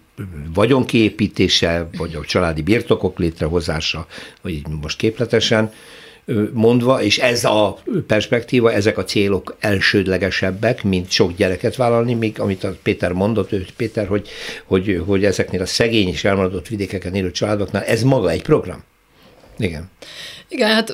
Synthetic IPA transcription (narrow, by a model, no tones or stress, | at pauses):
vɒɟo̞ŋkieːpiːt̪eːʃɛvɒɟɒt͡ʃɒlaːd̪ibirt̪o̞ko̞kleːt̪rɛɦo̞zaːʃɒoiːɟmo̞ʃt̪keːplɛt̪ɛʃɛn | mo̞nd̪ʋɒeːʃɛzɒpɛrʃpɛkt̪iːvɒɛzɛkɒt̪seːlo̞kɛlʃøːd̪lɛɡɛʃɛbːɛkmint̪ʃo̞kɟɛɾɛkɛt̪ʋaːlɒlnimiːɡɒmit̪ɒpeːt̪ɛrmo̞nd̪o̞t̪ːøːpeːt̪ɛrho̞ɟho̞ɟɦo̞ɟɛzɛkneːlɒsɛɡeːɲeːʃɛlmɒɾɒd̪o̞t̪ːʋid̪eːkɛkɛneːløːt͡ʃɒlaːd̪o̞knaːlɛzmɒɡɒɛcpro̞ɡrɒ̰m | iɡɛniɡɛnhat̪